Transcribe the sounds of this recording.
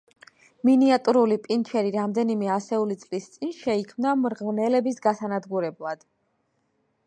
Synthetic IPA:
miniat̪ʼuɾulipʼint͡ʃʰɛɾiɾamd̪ɛnimɛasɛulit̪sʼlist̪sʼinʃɛikʰmnamɾʁvnɛlɛbisɡasanad̪ɡuɾɛblˠad̪̥

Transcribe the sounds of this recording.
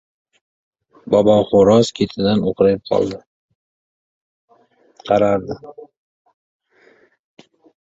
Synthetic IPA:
bɒbɒχoɾɒzkʲʰet̪ʰɪd̪anoqʰɾajɪp̚qʰɒ̰lˠd̪ɪ | qʰɑɾaɾd̪ɪ

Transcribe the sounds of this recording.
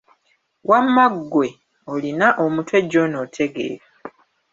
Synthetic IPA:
wamːaɡːwe̞ | olinaʔomutwe̞ɟːo̞noːtʰe̞ɡe̞̰ːɾa

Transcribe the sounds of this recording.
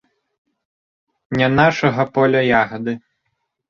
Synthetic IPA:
nʲanaʂɐɣɐpɔlʲɐjaɣɐd̪ɨ

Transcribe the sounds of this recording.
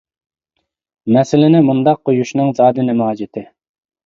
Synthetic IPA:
mɛsɪlɪnɪmund̪ɑq̚ʰːojuʃnɨŋzɑːd̪ɪnɪmuɑːd͡ʒɪt̪ʰɪ

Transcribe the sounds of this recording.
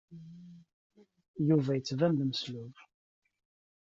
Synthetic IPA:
juvæjət͡sːvæmðməslʊv

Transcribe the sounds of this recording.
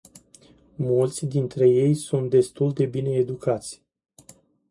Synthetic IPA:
mult̪sʲd̪int̪ɾe̞je̞jsunt̪̚d̪e̞st̪uld̪e̞bine̞ːd̪ukat̪sʲ

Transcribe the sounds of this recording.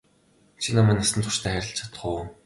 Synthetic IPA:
t͡ɕʰinamæːnasə̆nt̪ʰʊ̥ʃt̪ʰæːχæɾʲɪ̆ɬt͡ɕʰḁt̪ə̆χʊː

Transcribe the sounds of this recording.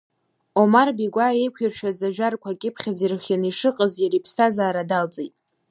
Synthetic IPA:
omarbiɡʷae̞jkʷʰirʃᶣazaʒᶣarkʷʰakʲʼɪpʰχʲazirχʲjaniʂɨqʼəzjaɾipʰstʰazaːɾadalt͡sʼejtʼ

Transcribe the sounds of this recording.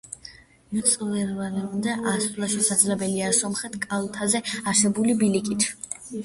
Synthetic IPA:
mut̪sʼvɛlvaɾɛund̪aʔasʼlˠaʃɛsad̪zlɛbɛliasɔmχɛt̪ʰkʼalˠt̪ʰazɛaɾsɛbulibilikʼit̪ʰ

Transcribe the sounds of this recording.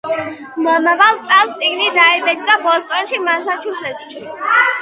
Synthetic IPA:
mɔmavalˠt̪sʼast̪sʼiɡnid̪aimɛd͡ʒd̪abɔst̪ʼɔnʃimansat͡ʃʰusɛsʃʰi

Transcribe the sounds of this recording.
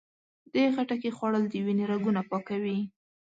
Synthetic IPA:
d̪exaʈakexwɑɽəld̪əwineɾaɡunapɑkawi

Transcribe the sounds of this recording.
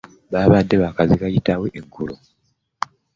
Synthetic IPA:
βaːβadːe̞βakazikajitaweʔeŋkulo

